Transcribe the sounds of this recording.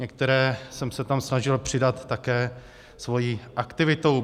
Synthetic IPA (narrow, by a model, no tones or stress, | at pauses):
ɲɛk̚t̪ɛɾɛːsɛmsɛt̪amsnaʒɪlpr̝̥ɪdat̪ːakɛː | svo̞jiːʔakt̪ɪvɪt̪ow